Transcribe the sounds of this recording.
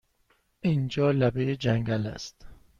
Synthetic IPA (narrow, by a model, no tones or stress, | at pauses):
ʔind͡ʒɒːlæbejed͡ʒæŋɡælæ̰st̪